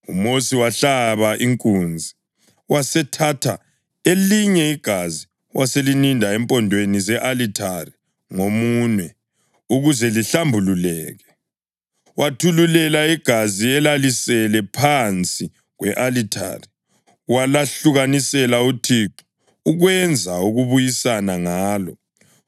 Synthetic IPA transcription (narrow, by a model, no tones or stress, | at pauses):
umosiwaɬaβaʔiŋkʼund͡zʱi | wasɛtʰatʰa | eliɲɛiɡ̥ʱazi | wʔaselinindʱaɛmpʼɔndʱwenizɛʔalitʰari | ŋomunwɛ | uɣuzɛliɬambʱululɛːɣɛ | wʔatʰululɛlaiɡ̥ʱaziɛlalisɛlɛpʰant͡sʼi | ɣwɛʔalitʰa̰ri | walaɬuɣanisɛlautʰiǁu̥ | uɣwɛnd͡zʱauɣuβujisanaŋaːlɔ̰